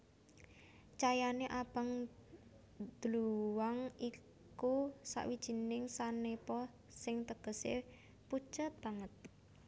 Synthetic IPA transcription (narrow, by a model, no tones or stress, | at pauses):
t͡ʃajaneʔab̥aŋ | d̪̥luwaŋi | kusa̰ʔwid̥ʒ̥i̤nɪŋsanepɔ | sɪŋt̪əɡ̥ə̤sḛ | pu̥ʒ̥a̤t̪̚b̥aŋət̪̚